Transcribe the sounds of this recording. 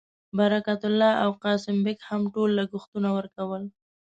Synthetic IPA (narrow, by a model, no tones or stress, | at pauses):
baɾakat̪ʊlːɑʔawqɑsɪmbekhamʈolːaɡʊxt̪unawəɾkawəl